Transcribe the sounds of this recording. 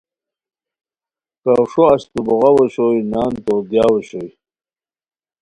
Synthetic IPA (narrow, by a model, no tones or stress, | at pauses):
kawʂoɐɕt̪ubuɣawɐɕojnaːnt̪od̪jaːweɕoj